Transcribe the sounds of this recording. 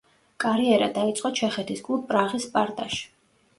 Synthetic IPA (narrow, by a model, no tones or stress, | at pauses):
kʼaɾiɛɾad̪ait̪sʼqʼɔt͡ʃʰɛχɛt̪ʰiskʼlˠubʼɾaʁispʼaɾt̪ʼaʃi̥